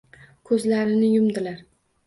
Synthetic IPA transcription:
kʰɵzlaɾɪnɪjʊmd̪ɪlaɾ

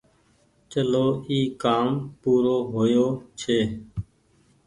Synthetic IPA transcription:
t͡ʃəloːiːkaːmpuːɾoːɦoːjoːt͡ʃʰeː

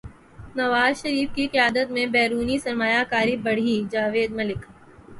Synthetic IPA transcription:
nɐʋaːzʃɐɾiːfkiqijaːd̪ət̪mẽbɛːɾuːnisɐɾmaːjakaːɾibɐɽ̤id͡ʒaːʋeːd̪mɐlɪk

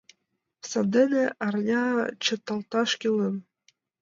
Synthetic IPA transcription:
sɑd̪ɘ̆neʔɑrnʲɑt͡ɕɤ̆t̪ɑlt̪ɑʃkʲilɤ̆n

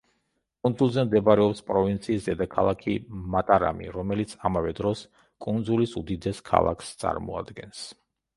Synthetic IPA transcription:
kʼunzulˠzɛmd̪ɛbaɾɛɔpspʼɾɔvint̪sʰiːsd̪ɛd̪akʰalˠakʰimat̪ʼaɾa̰mḭɾɔmɛlit̪sʰamavɛd̪ɾɔs | kʼund̪zulisud̪id̪ɛskʰa̰lˠa̰kʰst̪sʼa̰ɾmɔa̰d̪ɡɛns

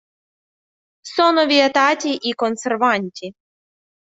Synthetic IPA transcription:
sɔnɔʋʲiet̪ɑtʲiʔikɔnserʋɑnʲtʲi

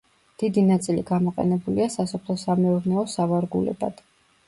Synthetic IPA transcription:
d̪̥id̪inat̪sʼiliɡamɔqʼɛ̰nɛbuliasasɔpʰlˠɔsamɛuɾnɛɔsavaɾɡulɛ̰ba̰d̪̥

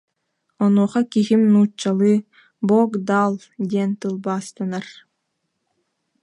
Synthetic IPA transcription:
ɔnuːχɑkiɦimnuːt͡ɕːalˠɯ | bɔːkd̪alˠ | d̪ʲiɛnt̪ɯlˠbaːst̪ɯnaɾ

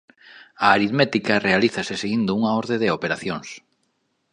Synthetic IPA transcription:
aːɾiðmɛt̪ikɐrealiθɐsɪseɣind̪ʊuŋaoɾðeðeopeɾaθjoŋs

